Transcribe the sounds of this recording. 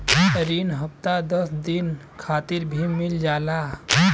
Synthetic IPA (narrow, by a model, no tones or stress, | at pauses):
ɾinɦəp̚t̪ad̪əsd̪in | kʰat̪iɾbʱimild͡ʒala